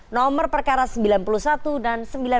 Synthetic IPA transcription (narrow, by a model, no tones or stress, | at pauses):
nɔmərpərkaɾasəmbilanpulusat̪udansəmbila